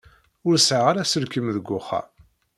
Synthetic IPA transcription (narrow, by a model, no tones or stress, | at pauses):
ʊɾsʕʁaɾæsəɾkəmðəɡʷːʊχa̰